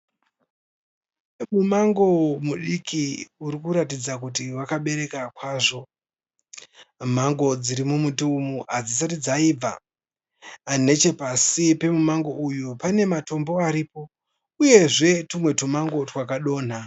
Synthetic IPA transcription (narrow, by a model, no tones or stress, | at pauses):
mumaŋɡo̞muɗikʰiuɾikuɾatid͡zakut̬iwakaɓe̞ɾe̞kakwaːʐo̞ | m̤aŋɡo̞d͡ziɾimumutuumuʔad͡zis̬arid͡zaib͡va | ne̞t͡ʃe̞pasipe̞mumaŋɡo̞ʔujupane̞mato̞mbo̞aɾiːpo | uje̞ʐe̞tumwe̞tumaŋɡo̞twakaɗo̞ːn̤a